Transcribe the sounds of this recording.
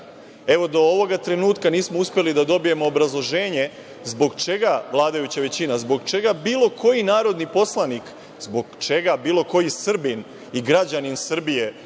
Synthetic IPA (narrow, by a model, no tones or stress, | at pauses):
e̞ʋo̞d̪o̞oʋo̞ɡat̪ɾe̞nuːt̪kaniːsmouspjelid̪ad̪o̞bije̞mo̞ːbɾazlˠo̞ʒe̞ːɲe̞ | zbo̞ɡt͡ʃe̞ɡaʋlˠaːd̪ajut͡ɕaʋe̞t͡ɕinazbo̞ɡt͡ʃe̞ɡabiːlˠo̞kʰo̞jinaːɾo̞d̪nipo̞slˠanik | zbo̞ɡt͡ʃe̞ɡabiːlˠo̞ko̞jisr̩bin | iɡɾad͡ʑaninsr̩bije̞